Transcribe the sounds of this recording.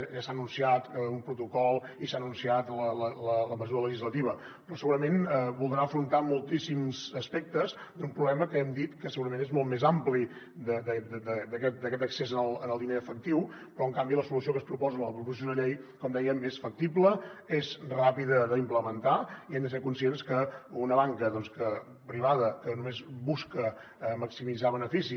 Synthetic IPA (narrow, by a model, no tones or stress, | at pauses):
ʒasanunsiat̪əumpɾut̪ukɔlˠ | isanunsiat̪lələlələməzuɾələʒizlət̪iβə | pɾɔsəɣuɾəmenβulˠd̪ɾaəfɾunt̪amulˠt̪isimzəspɛk̚t̪əz | d̪umpɾuβlɛməkəɛmd̪it̪kəsəɣuɾəmẽnezmɔlˠt̪mezampli | d̪əd̪əd̪əd̪əd̪əkɛt̪̚d̪əkɛt̪əksezənəlˠənəlˠd̪ineəfək̚t̪iw | pɾɔəŋkambiləsulusiokəspɾupɔzənələpɾupusioðəʎejkɔmd̪ɛjəmesfək̚t̪ipləezrapiðəðəimpləmənt̪aiɛmnd̪əseɾkunsienskəunəβaŋkəðɔnskə | pɾiβ̞aðəkənumezbuskə | məksimid͡zaβənəfisi